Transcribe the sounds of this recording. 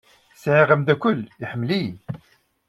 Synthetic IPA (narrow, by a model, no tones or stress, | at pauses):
sʕiʁəmd̪ækʷʊliħəmːli